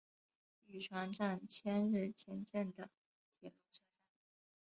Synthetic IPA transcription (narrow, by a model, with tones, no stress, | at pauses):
y˨˩ʈ͡ʂʰwa˧˥nʈ͡ʂa˥˧˩nt͡ɕʰjɛ˥nɻ̩˥˩t͡ɕʰjɛ˥nt͡ɕjɛ˥˩nd̪ə˩ | t̪ʰjɛ˨˩lu˥˩ʈ͡ʂa˥ʈ͡ʂa˥˩n